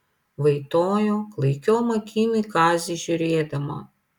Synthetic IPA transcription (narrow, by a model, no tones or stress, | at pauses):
ʋɐɪt̪oːjoklˠɐjkʲɔːmɐkʲʰiːnɨjkɑːzʲiʒʲʊɾʲeːd̪ɐmɐ̰